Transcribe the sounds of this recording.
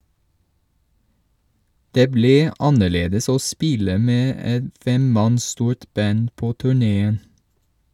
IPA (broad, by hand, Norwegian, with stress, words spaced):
ˈdeː ˈbliː ˈɑnəˌɭeːdəs ˈoː ˈspɪlə ˈmeː ˈɛt ˈfɛmˌmɑns ˈstuːɹt ˈbɑn ˈpoː ˈtʉːˌɳeːən